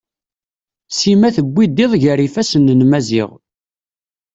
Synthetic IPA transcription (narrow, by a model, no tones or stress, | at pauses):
simæθəɡʷːid̪iðˤʝəɾifæsənːənmæzɪ̰ʁ